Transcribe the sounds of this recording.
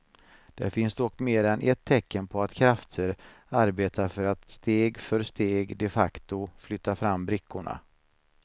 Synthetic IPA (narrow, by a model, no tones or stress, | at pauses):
d̪̥æ̰ɾfɪnsd̪ɔkːmeːɾɛnʔɛt̪ʰːɛkːənpʰɔat̪kʰɾaft̪ʰəɾ | aɾbeːt̪ʰafœɾat̪st̪eːɡfœɾst̪eːɡd̪ɛfakt̪ʊflʏt̪ːafɾamːbɾɪkʰːʊɳa̰